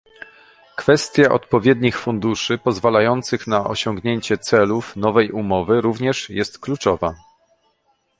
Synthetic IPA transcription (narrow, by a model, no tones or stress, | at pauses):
kfɛst̪ʲjaʔɔ̰t̪̚pɔvʲjɛd̪ɲixfund̪uʂɘpɔzvalajɔnt̪sɘxnaʔɔ̰ɕɔŋɡɲeɲt͡ɕɛt̪sɛlufn̪ɔvɛjumɔvɘɾuvɲɛʂjɛst̪klut͡ʂɔva